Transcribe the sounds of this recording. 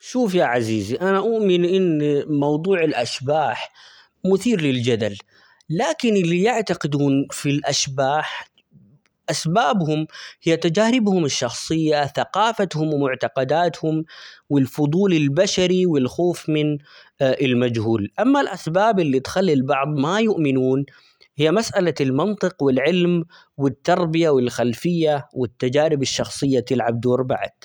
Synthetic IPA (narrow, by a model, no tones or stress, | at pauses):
ʃuːfjaʕaziːziʔanaʔʊʔmɪnʔɪnːmɑwd̪ˤuːʕɪlʔaʃbaːħ | mʊθiːɾlɪld͡ʒad̪alː | aːkɪnɪlːijɪʕt̪aqɪd̪uːnfilʔaʃbaːħ | ʔasbaːbhʊmhɪjːat̪ad͡ʒaːɾɪbhʊmɪʃːɑxsˤɨjːaθaqɑːfat̪hʊmwɪmʊʕt̪ɑqɑd̪aːt̪hʊmwɪlfʊd̪ˤuːlɪlbaʃaɾiwɪlxoːfmɪn | ʔɪlmad͡ʒhuːlʔamːalʔasbaːbɪlːit̪xalːilbɑʕðˤmajʊʔmɪnuːn | hɪjːamasʔalalmɑnt̪ˤɨqwɪlʕɪlm | wɪt̪ːɑɾˤbɪjawɪlxalfɪjːawɪt̪ːad͡ʒaːɾɪbɪʃːɑxsˤɨjːat̪ɪlʕab̚d̪oːɾˤba̰ʕ̰d̪̥